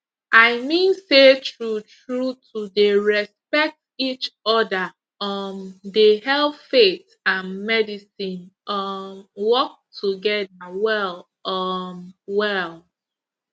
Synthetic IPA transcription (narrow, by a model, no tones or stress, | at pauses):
ʔaɪmĩnsetɹutɹutʰudeɹɛspɛk̚tit͡ʃɔda | ʌmdehɛlfet | ãnmɛdisĩnʔɔmwɔk̚tʰuɡɛdawɛl | ɔmwɛl